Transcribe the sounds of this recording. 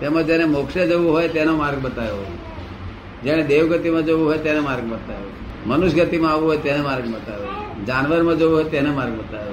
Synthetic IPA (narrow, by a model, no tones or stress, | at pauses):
t̪emãd͡ʒenemokʃəd͡ʒəʋũɦojt̪enomaɾɡ̚bət̪ajo | d͡ʒeɽ̃ed̪eʋɡət̪imãd͡ʒəʋũɦojt̪enemaɾɡ̚bət̪ajo | mənuʃɡət̪imãaʋũɦojt̪enemaɾɡbət̪ajod͡ʒanʋəɾmãd͡ʒəʋũɦojt̪ɛnemaɾɡ̚bət̪ajo